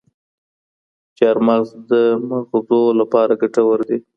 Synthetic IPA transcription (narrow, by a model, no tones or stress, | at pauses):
t͡ʃɑɾmazd̪əmaɣozolapɑɾaɡaʈawəɾd̪i